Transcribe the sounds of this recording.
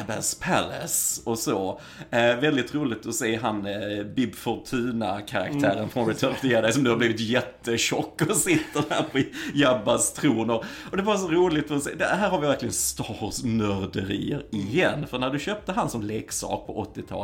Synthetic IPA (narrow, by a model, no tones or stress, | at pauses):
bæ̰spʰælə̰sɔso | vɛld̪ɪt̪ɾuːlɪɡ̚t̪ɔseːɦanbɪbfɔɾt̪ʰʉ̟ːnakʰaɾa̰kt̪ʰæːɾənfɾɔnɾɛt̪ʰœːɾft̪ɪjɛd̪ɛɪsɔmnʉ̟haɾb̪iːvɪt̪jɛt̪ːəɕɔkːɔsɪt̪ːəhæːɾpʰɔjabːast̪ʰɾuːnʊɾ | ɔd̪ɛvɑɾas̬ɔɾuːlɪt̪ɔsḛːd̪ɛɦæːɾɦhaɾvɪvæɾklɪɡənst̪ɑɾsmœɾd̪əɾḭːəɾɪjɛnːfœɾɳæɖɵɕøːp̚t̪əɦansɔmleːksɑ̰ːk̚pʰɔʔɔt̪ːɪt̪ʰɑ̰ːl